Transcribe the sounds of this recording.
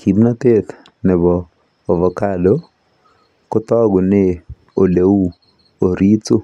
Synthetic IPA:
kʰi˨bna˦t̪e˦t̪ | nɪ˨bɔː˨ | vɔ˨ka˦do˦ | kʊ˦t̪ɔ˦ɡʊ˨nɪ˦ | o˨le˨u˦ | o˨ɾi˦tʊ˦

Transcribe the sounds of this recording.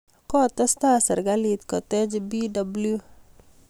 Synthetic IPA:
kɔ˦t̪ɔ˦st̪a˦sa˨ɾɡalit̪kɔ˨tɛ˦d͡ʒbi˦dabulu

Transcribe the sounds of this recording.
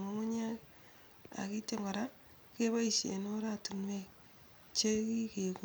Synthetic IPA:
ŋo˦ŋo˦ɲa˦k | a̰˨ki˦te˦ŋɡɔ˨ɾa˦ | ke˦βa˦i˨sḛ˨no˦ɾa˦tu˨nwe˦ | t͡ʃe˦ki˦ke˨ku

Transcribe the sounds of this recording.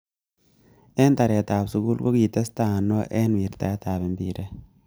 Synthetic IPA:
ɛ˦nta˨ɾɛ˨ta˨psu˨˦ɡu˦lko˦ki˨te˦sta˨nɔ˦ʔɛ˦nwi˨ɾta̰˨jɛ˦ta˨be˨mbḭ˨ɾe˦

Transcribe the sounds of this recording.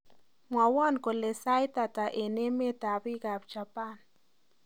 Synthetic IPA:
mwa˨wa˦nko˨le˨sa˦jt̪a˨ta˨ʔe˨ne˦me˦t̪a˨bi˦ɡa˨bt͡ʃa˨pa˦n

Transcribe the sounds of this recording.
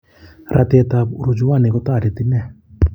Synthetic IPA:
ɾʔa̰t̪e˧t̪a˨bu˨ɾu˨d͡ʒu˦wa˦˨ne˨kɔ˦t̪aː˦˨ɾi˨t̪i˦nɛ˦˨

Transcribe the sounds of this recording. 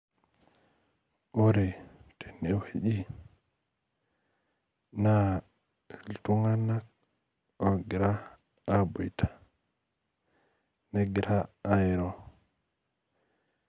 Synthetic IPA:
ʔo˦ɾe˨tʰe˨ne˨wa˨ʄi˦ | na˦˨ | ltu˦ŋa˦na˦k̚ | o˨ɡi˨ɾaː˦ | bo˨jtʰḁ˨ | ne˦ɡi˨ɾaː˦jɛ˨ɾo˦˨

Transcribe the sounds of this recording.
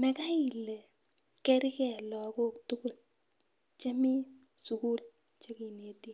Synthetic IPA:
mɛ˨ka˦i˨le˨ | kɛ˦ɾi˦kɛ˨lɔ˨ko˦k̚tu˦ku˦˨l | t͡ʃɛ˦mi˦ | su˨ku˦l | t͡ʃe˦ki˨ne˨ti˦

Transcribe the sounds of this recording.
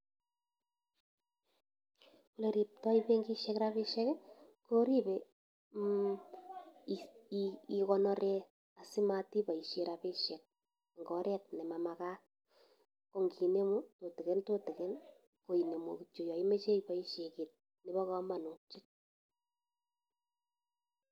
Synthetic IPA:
ku˦le˨ɾi˨p̚tɔ˦i˦pe˦ŋɡi˦ʃɛ˦kɾa˦pe˦ʃɛ˦k | ko˦ɾi˦be˨˦ | kɔ˧nɔ˦ɾʔe˦ | a˨si˦ma˧ti˦pa˨i˨ʃe˨ɾa˨pe˦ʃɛ˨k̚ | ŋɡɔ˨ɾʔɛ˦t̚nɛ˨ma˨ma˨ka˦ | ko˨ŋɡi˨ne˦mu˦to˨te˨ke˦nto˦te˨ke˦n | ko˨i˨ne˨mo˨kt͡ʃo˨jɔ˨i˦me˦t͡ʃe˦ipa˨˦i˦ʃe˨ki˨t̚ | ni˦bɔ˦kɔ˦ma˨nu˨t͡ʃi˦t̚

